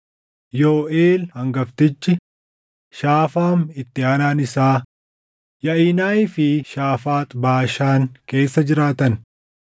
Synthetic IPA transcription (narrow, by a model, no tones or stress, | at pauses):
joːʔeːlhɐŋɡɐft̪ɪt͡ʃːɪ | ʃaːfaːmɪt̪ːɪaːnaːnɪsaː | jɐiːnaːɪfɪʃaːfaːt̪ʼbaːʃaːŋke̞ːsːɐd͡ʒɪɾaːt̪ɐn